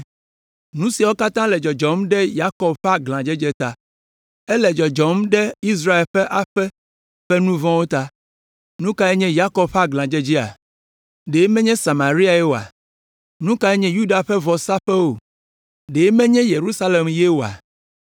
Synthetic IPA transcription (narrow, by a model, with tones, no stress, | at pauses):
nũ˦si˨wo˦ka˦t̪ã˦lɛ˨d͡ʒɔ˨d͡ʒɔ˨mɖɛ˦ja˦kɔ˦bɸɛ˦a˦ɡlã˨d͡ʒɛ˦d͡ʒe˦t̪a˦ | ɛ˦lɛ˨d͡ʒɔ˨d͡ʒɔ˨mɖɛ˦i˦s̬ɾa˦e˨lɸɛ˦ʔa˦ɸɛ˦ | ɸɛ˦nũ˦vɔ̃˦wo˦t̪a˦ | nũ˦ka˦e˦ɲɛ̃˦ja˦kɔ˦bɸa˦ɡlã˨d͡ʒɛ˦d͡ʑi˦a̰˨ | ɖe˨˦mɛ̃˦ɲɛ̃˦sa˨mã˨ɾi˦a˨ɛ˦wo˨a̰˨ | nũ˦ka˦ɛ˦ɲɛ̃˦ju˦ɖa˨ɸɛ˦vɔ˨sa˦ɸɛ˦wo˨ | ɖe˨˦mɛ̃˦ɲɛ̃˦je˨ɾu˦sa˦le˨mje˦wo˨a̰˨